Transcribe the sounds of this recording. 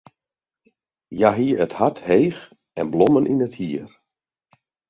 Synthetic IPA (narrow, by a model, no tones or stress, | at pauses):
jaɦiəəthathejx | ɛnblɔmənʔinəthiər